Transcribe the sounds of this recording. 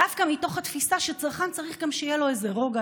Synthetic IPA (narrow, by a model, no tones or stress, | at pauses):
afkamit̪o̞χhat̪fisaʃet͡saʁχant͡saʁiχɡamʃejelo̞ezeʁo̞ɡa